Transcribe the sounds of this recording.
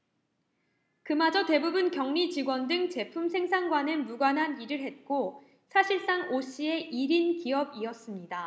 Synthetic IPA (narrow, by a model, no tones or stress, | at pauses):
kɯmad͡ʑʌte̞bubunkjʌŋɲit͡ɕiɡwʌndɯŋt͡ɕe̞pʰumsʰe̞ŋsʰaŋɡwanɯmuɡwanɦaniɾɯɭɦe̞t̚k͈o | sʰaɕʰiɭs͈aŋoɕ͈ie̞ʔiɾinkiʌbiʌs͈ɯmɲida